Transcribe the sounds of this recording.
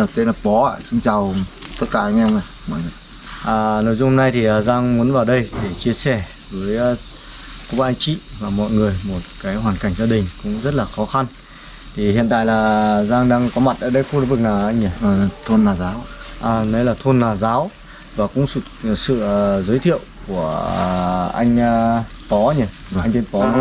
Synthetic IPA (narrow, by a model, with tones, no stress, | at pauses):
t̪e˧na˨˩p̚ɓɔ˨˦a̰ː˧˨sɨ˧ŋt͡ɕa˨˩w | t̪ə˦˥t̚kaː˧˩ʔa˧ŋɛ˧mə˨˩ | mɔ̰˧˨ŋɨ˨˩ | ʔaː˨˩no˨˩jzʊ˧ŋ͡mho˧na˧jt̪ʰi˨˩ʔa˨˩zaː˧ŋmu˨˦ənvaː˨˩wɗə˧jɗe˧˩t͡ɕi˧əsɛ˧˩ | vəː˨˦j | kʊ˧˥ka˧ʔŋ̟t͡ɕḭ˧˨vaː˨˩mɔ̰˧˨jŋɨ˨˩əjmo˨˩t̚kaː˨˦jhwaː˨˩nka˧˩jŋ̟zaː˧ɗï˨˩ŋ̟kʊ̰˧˥ŋ͡mzə˦˥t̚laː˨˩xɔ˨˦xa˧n | t̪ʰi˨˩hḭ˧˨ənt̪a̰ː˧˨jlaː˨˩zaː˧ŋɗaː˧ŋkɔ˨˦ma˨˩t̚ʔə̰ː˧˩ɗə˧jku˧˩lḭ˨˦vɨ˨˩k̚laː˨˩ʔa˧jŋə˧˩˨t̪ʰo˧nːaː˨˩zaː˨˦w | ʔa˨˩nɛ˨˦laː˨˩t̪ʰo˧nːaː˨˩zaː˨˦w | vaː˨˩kʊ̰˧˥ŋ͡ms | sɨ̰˧˨˩zəː˨˦jt̪ʰḭ˧˨əwku˧˩ə | ʔa˧jŋ̟ː˧ | t̪ɔ˨˦ɲə˧˩ | u˧˩˨a˧jŋt̪e˧˦t̪ɔ˨˦˨